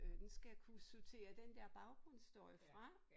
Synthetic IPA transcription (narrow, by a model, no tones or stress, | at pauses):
d̥ensɡ̥ækʰusut͡sʰe̝̰ːɐd̥end̥ɛɐ̰b̥ɑ̈ʊɡ̥ʁɔn̰sd̥ɔ̰ɐjəfʁɑ̈